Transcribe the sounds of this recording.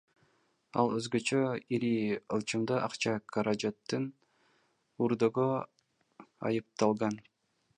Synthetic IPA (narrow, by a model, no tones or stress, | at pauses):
ɑ̰lˠøzɡøt͡ʃøiɾiɯlˠt͡ʃɯmd̪ɑʔɑqt͡ʃɑkʰɑɾɑd͡ʒat̪ːɯn | uɾd̪oʁo | ɑ̰jɯp̚t̪ɑlˠʁɑn